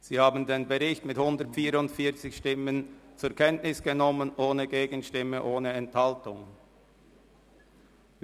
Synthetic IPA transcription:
z̥iːhaːbn̩deːnbəʁɪçtmɪthʊndətfiːɾʊntfiːɐt͡sɪçʃtɪmənt͡sʊɐkʰɛntnɪsɡ̥ənɔmənʔoːnəɡeːɡən̩ʃtɪmːəʔoːnəɛnthaltʊŋ

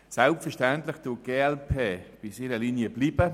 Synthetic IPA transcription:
sɛlptfɛʃtɛntlɪxd̥uɡ̥eːɛlpʰeːb̥isiːɾəliːnjəbliːbə

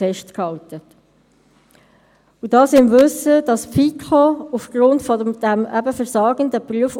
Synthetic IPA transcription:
ɛʃtkhɑltət | udɑːsɪmvɵsəd̥ɑsfikʰoufɡ̥ɾʊntfɔəd̥æmæbəfəɾsɑːɡ̥əndəpryəf

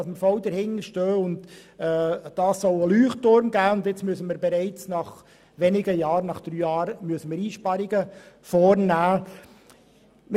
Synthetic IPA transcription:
ɑsməfɔwdəɾhɪŋəɾʃtøːʊndɛːd̥ɑːsːɔləlyːχtʊɾmɡæːʊnd̪ɪt͡smyəsəməɾbeɾɛɪt͡snɑχ | ʋɛnɪɡəjɑːɾnɑχd̥ɾyːjɑːɾmyəsəməɾiːʃpɑɾiɡə | fɔːɾnæː | m

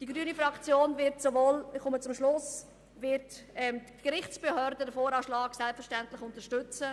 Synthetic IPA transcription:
d̥iɡɾyːnifɾɑkt͡sjoːnvɪɾtsovoːlχʊmət͡sʊmʃlʊs | vɪɾtɛm | ɡ̥ɾɪχt͡sb̥ehœɾdədəfoːɾɑːʃlɑːɡsɛlpfəɾʃtɛntlɪχʊntəʃtʏt͡sə

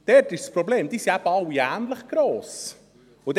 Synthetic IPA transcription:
d̥ɛɾtɪʃspɾobleːmd̥̪iːsiæb̥əɑwːiæːnləχɡ̥ɾoːs | ʊd̪

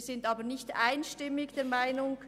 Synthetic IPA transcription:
z̥ɪntaːbənɪçtʔa̰ɪnʃtɪmɪçd̥eːmaɪnʊŋ

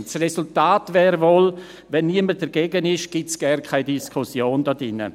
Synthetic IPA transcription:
srɛsʊltaːtvɛːɾvol | vɛnːiəməd̥əɾɡ̥eɡənɪʃɡ̥ɪtsɡ̥ɛrnkʰaɪdiskʰʊsjoːndɔdɪnə̰

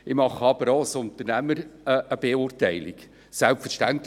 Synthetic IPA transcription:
ɪmɑχəɑbəɾosʊnt̪əɾnæməɾəəb̥eʊrtɛɪlɪ̰k | sælpfərʃtænt

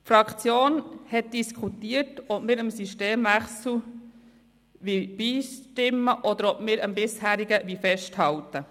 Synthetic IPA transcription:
fɾɑkt͡sjoːnhɛt̚d̥iskʰutiːətɔpmɪɾəmsyʃteːmʋæχsl̩ | ʋib̥iːʃtɪmːəʔɔd̪əɾɔpmɪːɾəmbɪshæːɾiɡəʋifɛʃthɑltə

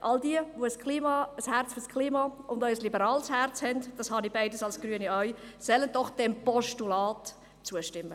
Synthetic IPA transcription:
ʔɑldiəʋoəskʰliːmɑəshært͡sfyɾskʰliːmɑːʊndœʏslibəɾɑːlshært͡shɛndd̥ɑshɑnibaɪdəsɑlsɡ̥ɾyəniœʏ | sœlənd̥ɔχd̥ɛmpɔʃtulɑːt | t͡suəʃtɪmːə

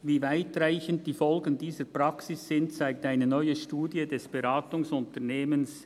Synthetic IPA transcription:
viːvaɪtraɪçəntd̥iːfɔlɡən̩diːzəpʁ̥ɑksɪsːɪntt͡saɪk̚taɪnənɔʏəʃtuːdjədɛsb̥eɾaːtʊŋsʊntəneːməns

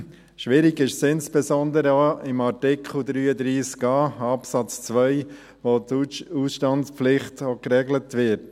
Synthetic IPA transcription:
ʃʋɪɾiɡɪʃsɪnspɛsɔnd̪əɾəoɪmɑɾtɪkχl̩d̪ɾyːəd̪ɾiːskɑːɑpsɑt͡st͡sʋœʏ | ʋotusʃtɑnspflɪχtokrɛɡlətʋɪt

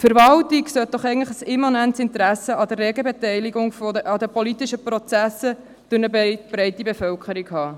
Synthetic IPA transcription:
fəɾvɑltɪksœt̚d̥̪ɔχɛɪɡətləχəsɪmɑnæntsɪnt̪əɾæsəɑd̪ərːɛɡəbɛtɛɪliɡʊŋfɑd̪əpolit̪iʃəpɾɔt͡sæsə | d̥ʉnəb̥ɾɛɪtibefœlkəɾikhɑː

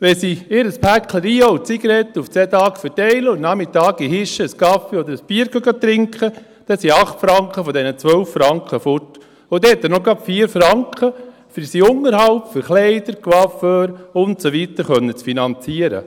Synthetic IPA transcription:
ʋɛsiɪɾəspʰækʰləɾiːoʊt͡siɡəɾɛt̪ːuft͡sɛːt̪ɑːkfɛtɛɪləʊnnɑmɪt̪ɑːɡiɦɪʃəəskɑfiɔd̪əɾəspiːəɾɡœɡɑt̪ɾɪŋkχə | d̥ɛsiɑχt̪fɾɑŋkʰχəfɔd̪ɛnət͡sʋœwfːɾɑŋkχəfʊt | ʊd̥̪ɛɛt̪ːənɔɡɑpfiːəɾfɾɑŋkχə | fəsiʊŋːəɾɦɑlpfəɾχleɪd̥̪əɾkʋɑføɾʊntsoʋit̪əɾχœnːət͡sfinɑnt͡siəɾə̰

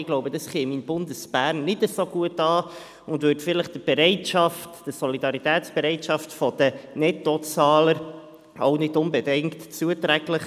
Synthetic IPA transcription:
ɪɡ̥loʊbəd̥ɑsχeːminbʊndəsb̥æːɾnːɪtəsoːɡuətɑː | ʊndvʉːtfɪləχd̥əb̥ɛɾɛɪtʃɑftd̥əsɔlidɑɾitɛːtsb̥ɛɾɛɪtʃɑftfɔd̥̪ənɛtɔt͡sɑːləɾ | oʊnɪtʊnbɛdɪŋktt͡suətɾæɡləχ

